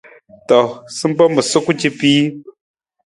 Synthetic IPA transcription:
to˨sɨ˦m˦pə˦mːə˨su˦ku˦t͡ʃi˦pi˦

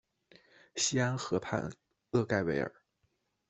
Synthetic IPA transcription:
ɕi˥a˥nxɤ˧˥pʰa̰˥˧˩n | ɤ˥˧ka˥˩ɪwe˧˥ɪə̰˞˨˩˦

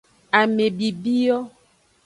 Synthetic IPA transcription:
a˨mẽ˨bi˨bi˦jɔ˦

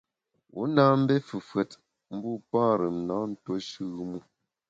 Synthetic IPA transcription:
wʔṵ˨˦naː˦m̩˦be˦fɨ˨fɛ˨t | m̩˦bu˦pãː˦˨ɾɨ˨m̩˨nã˨˦n̩˦to˦ʃɨ˦ɣmu˦

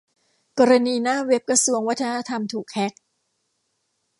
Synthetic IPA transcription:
kɔː˧ɾa˧niː˧naː˥˩we˦˥p̚kɾa˧su˧əŋwa˦˥t̪ʰːa˧na˦˥t̪ʰa˧mt̪ʰuː˨˩k̚hɛ˦˥k̚

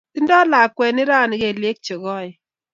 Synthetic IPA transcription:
ti˦ndɔ˦laː˨kwɛ˨nɪ˦ɾa˦˨ni˨ke˨lje˦k̚t͡ʃo˨ɣɔ˦ɪ˨

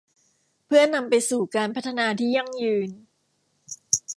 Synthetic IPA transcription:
pʰɯ˥˩ɐna˧mpa˧jsuː˨˩kaː˧npʰa˦˥t̪ʰːa˧naː˧t̪ʰiː˥˩ja˥˩ŋjɯː˧n

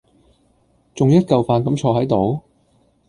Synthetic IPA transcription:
t͡sʊ˨ŋ˦jɐ˥t̚kɐ˨wfaː˨˧nkɐ˨˥mt͡ʃʰɔː˧ɦɐ˨˥jt̪o˨˩w

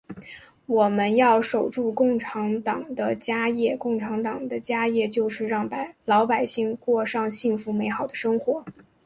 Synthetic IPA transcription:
wɔ˨˩mə˦njɑ˥˩ʊʂo˨˩ʊʈ͡ʂu˥˧kʊ˥˩ŋʈ͡ʂʰɑ˧˥ŋt̪ɑ˨˩ŋd̪ə˦t͡ɕja˥jɛ˥˩kʊ˥˩ŋʈ͡ʂʰɑ˧˥ŋt̪ɑ˨˩ŋd̪ə˦t͡ɕja˥jɛ˥˧t͡ɕjo˥˧ʊʂɻ̩˥˧ɻɑ˥˩ŋpa˩lɑ˧˥ʊpa˨˩ɪɕi˥˩ŋkwɔ˥˧ʂɑ˥˧ŋɕi˥˩ŋfu˧˥me˧˥ɪxɑ˨˩ʊd̪ə˦ʂɤ˥ŋxwɔ˧˥

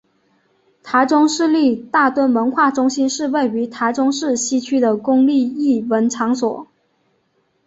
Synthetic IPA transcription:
t̪ʰa˧˥ɪʈ͡ʂʊ˥ŋʂɻ̩˥˧li˥˧t̪a˥˩t̪wə˥nwə˧˥nxwa˥˩ʈ͡ʂʊ˥ŋɕi˥nʂɻ̩˥˧we˥˩ɪy˧˥t̪ʰa˧˥ɪʈ͡ʂʊ˥ŋʂɻ̩˥˧ɕi˥˩t͡ɕʰy˥d̪ə˨kʊ˥ŋli˥˧i˥˩wə˧˥nʈ͡ʂʰɑ˧˥ŋswɔ˨˩˦

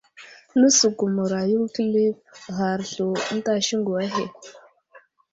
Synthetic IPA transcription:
nu˦su˨ku˨mu˨ɾa˨ju˦lki˦li˦ | ɣa˨ɾɬu˨˦n̩˦ta˦ʃi˦ŋɡu˨wa˦ɦe˨

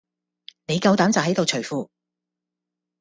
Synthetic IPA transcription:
ne˨˧jkɐ˧wt̪aː˨˥nt͡saː˨˩hɐ˨˥jt̪o˨wt͡ʃʰɵ˨˩ɥfuː˨˧

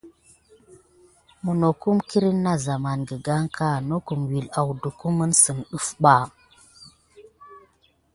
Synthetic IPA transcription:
mu˨no˨ku˦mki˦ɾi˦nːa˦za˨ma˨nɡə˨ɡa˦ŋkʰa˦˨no˦ku˨mwi˨la˨wdu˨ku˦mə˦nsə˨ŋɗu˦fɓa˦˨

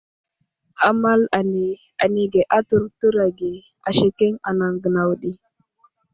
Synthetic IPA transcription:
a˨ma˦la˨ne˨ | a˨ni˨ɡe˨ʔa˦tu˦ɾtu˦ɾa˨ɡe˨ | a˨ʃe˨ke˦ŋa˨na˨ŋɡə˨na˨wɗi˦

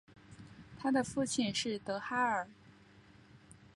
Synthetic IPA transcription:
t̪ʰa˥d̪ə˨fu˥˧˩t͡ɕʰi˧˩nʂɻ̩˥˩t̪ɤ˧˥xa˥ə˨˩˦

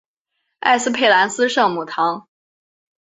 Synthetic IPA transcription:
a̰˥˩ɪsɹ̩˥pʰe˥˩ɪla˧˥nsɹ̩˥ʂɤ˥˩ŋmu˨˩t̪ʰɑ˧˥ŋ

